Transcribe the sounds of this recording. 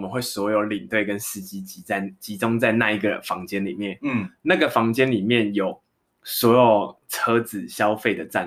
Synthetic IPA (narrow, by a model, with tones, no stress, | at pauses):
mə˨˦nxwe˥˩ɪswɔ˧˥jo˨˧˩ʊli˨˩ŋt̪we˥˩ɪkə˦nsɹ̩˥˩t͡ɕi˦˥t͡ɕi˥a˥˩ɪt͡ɕi˧˦˥t͡sʊ˥ŋt͡sa˥˧ɪna˥˧i˧˥ɡə˨fɑ˧˥ŋt͡ɕjɛ˥nlḭ˨˩mjɛ˥˨nna˥˨ɡə˨˩fɑ˧˥ŋt͡ɕjɛ˥nli˨˩mjɛ˥˨njo˨˩ʊ | swɔ˧˥jo˨˩ʊt͡sʰɤ˥t͡sɹ̩˨˩ɕjɑ˦ʊfe˥˩ɪd̪ə˩t͡sa˥˨